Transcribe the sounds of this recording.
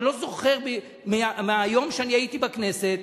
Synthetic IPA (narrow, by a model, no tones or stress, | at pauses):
lo̞zo̞χe̞ʁbi | meameajo̞mʃeaniajit̪ibakne̞set̪